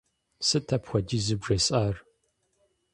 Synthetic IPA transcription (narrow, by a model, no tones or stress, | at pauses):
sɨtʰɐpxʷɔdiːzɨbʐɐsʼaːr